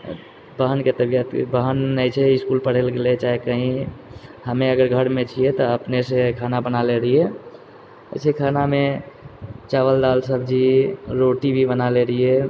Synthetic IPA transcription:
bəɦənket̪əbijət̪bəɦənːət͡ʃʰɛɪskulpəɽ̤elɡelet͡ʃaːɦekəɦĩ | həmẽəɡəɾɡʱəɽmẽt͡ʃʰiet̪ɔəpnesekʰaːnabənaleɾəiḛ | sekʰaːnamẽ | t͡ʃaːʋəld̪aːlsəbʱd͡ʒiɾoʈibʱibənaleɾie

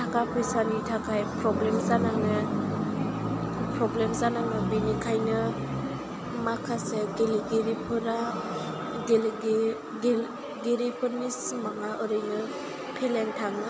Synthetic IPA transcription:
tʰakapʰɯjsanitʰakʰajpɾɔblemzanaŋɯ | pɾɔblemzanaŋɯbinikʰajnɯ | makʰaseɡeliɡeɾipʰɯɾa | ɡelɡ | ɡeɾipʰɯɾnismaŋaʔɯɾɯjnɯ | pʰeleŋtʰaŋɯ

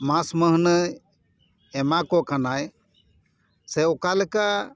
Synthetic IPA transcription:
mãsməɦnə | ɛmakɔkanaj | sɛɔkaləka

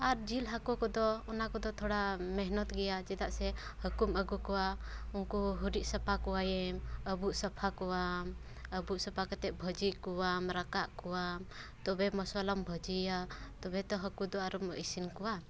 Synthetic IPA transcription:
aɾd͡ʒilɦakɔkɔd̪ɔɔnakɔd̪ɔt̪ʰɔɽamɛɦnɔt̪ɡɛjad͡ʒɛd̪aʔsɛ | həkuməɡukɔwaunkuɦuɾiʔsəpʰakɔwajɛməbuʔsəpʰakɔwam | əbuʔsəpʰakɔt̪ɛʔ̪̚bʱəd͡ʒikuwamɾakaʔkɔwam | t̪ɔbɛmɔsɔlɔmbʱəd͡ʒijat̪ɔbɛt̪ɔɦəkud̪ɔaɾumisinkɔwa

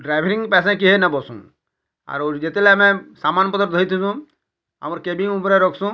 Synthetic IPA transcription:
ɖɾajbʱɾiŋpɛs̬ãk̬iɦenabɔsṵ̃n | a̰ɾoɾd͡ʑet̪elɛamɛsamanpɔd̪ɔɾd̪ʱɔɾit̪ʰusũ | a̰mɔɾkebiŋupɾeɾɔkʰsũ

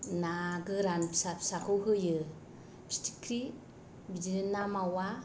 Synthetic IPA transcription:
naɡɯɾanpʰsapʰsakuɦɯjɯ | pi̥sti̥kɾi | bid͡ʒiɾinamawa

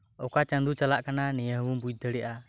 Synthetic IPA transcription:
ɔkat͡ʃə̃nd̪ut͡ʃalaʔkananɛjəɦwumbuj̪̚d̪əɽɛʔa

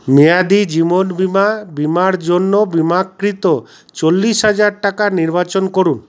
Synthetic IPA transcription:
mijad̪id͡ʒimonbimabimaɽd͡ʒonːobimakɾit̪o | t͡ʃolːisɦad͡ʒaɾʈakaniɾbat͡ʃonkoɾun

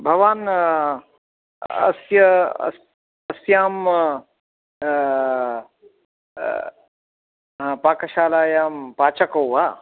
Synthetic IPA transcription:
bʱɐʋaːn | ɐ̰sjɐ̰s | ɐsjaːm | paːkɐʃaːlaːjaːmpaːt͡ʃɐkɐwʋaː

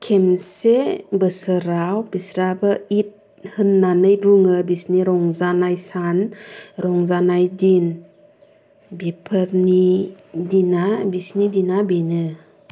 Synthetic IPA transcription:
kʰemsebɯsɯɾawbisɾabɯit̚ | hɯnːanɯjbuŋɯbisniɾɔŋzanajsanɾɔŋzanajdin | bepʰəɾni | dinabisnidinabinɯ

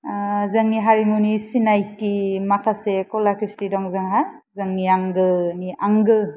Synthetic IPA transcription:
zɐŋniɦaɾimunisinajtimakʰasekɔlakʰɾistidɔŋzaŋɦajzɯŋniaŋɡɯniʔaŋɡɯ

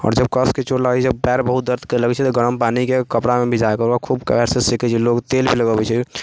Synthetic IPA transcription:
ɔ̰ːɾd͡ʒəbkəsket͡ʃoɾlaɡɛɛpɛɾbəɦut̪̚d̪əɾt̪keləɡɛt͡ʃʰɛt̪ɔɡəɾəmpanikekəpɽamebid͡ʒakəɾbakʰubkɛɾsesikɛt͡ʃʰiloɡt̪elbʱiləɡəbɛt͡ʃʰɛ

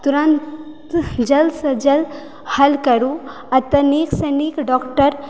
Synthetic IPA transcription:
t̪uɾãnt̪ | d͡ʒɐlsɐd͡ʒɐl | hɐlkɐɾu | ɐt̪ɐneksɐnikɖɔːkʈəɾ

